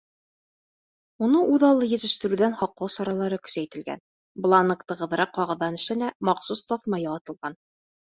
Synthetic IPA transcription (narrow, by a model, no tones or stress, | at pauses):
unɤʔʉðɑlˠːɤjɘ̆t̪ɘ̆ʃt̪ɘ̆ɾʉðænχɒqːɤwsɒɾɑlˠɑɾɤkɵ̥̆sæjt̪ɘ̆lɡæ̰n | b̆lˠɑnɤ̆kt̪ɤ̆ʁɤ̆ðɤɾɑqːɒʁɤ̆ðːɑnɘ̆ʃɘ̆læmɑqsust̪ɒθmɑjɑlˠɑt̪ɤ̆lˠʁɑn